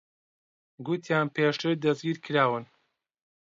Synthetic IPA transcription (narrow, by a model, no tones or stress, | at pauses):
ɡut̪ʰjaːnpʰeːʃt̪ɨɾd̪ɐzɡiːɾkʰɨɾaːwɨn